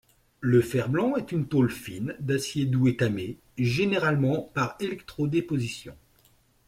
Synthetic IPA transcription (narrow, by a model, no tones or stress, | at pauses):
ləfɛʁblɑ̃ɛt̪ynt̪olfind̪asjed̪uet̪ame | ʒeneʁalmɑ̃paʁelɛk̚t̪χod̪epozisjɔ̰̃